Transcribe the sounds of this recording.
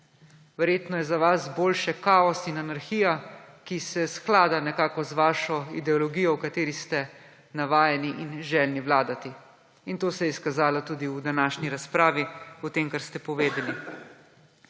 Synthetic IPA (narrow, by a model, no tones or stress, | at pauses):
ʋɛɾjeːt̪nɔjɛzaʋasboːlʃɛkaːɔsinanaɾxiːjakisɛsklaːd̪anɛkaːkɔzʋaːʃɔḭd̪ɛɔlɔɡijɔwkat̪eːɾist̪ɛ | naʋaːjɛniʔinʒɛlniwlaːd̪at̪i | int̪oːsɛjɛskazaːlɔt̪uːd̪iwd̪anaːʃniɾaspɾaːʋiut̪eːmkaɾst̪ɛpɔʋeːd̪ɛli